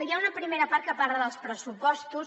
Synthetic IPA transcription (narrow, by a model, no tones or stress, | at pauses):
əjaunəpɾimeɾəpaɾt̪̚kəpaɾləðəlˠspɾəsupɔst̪us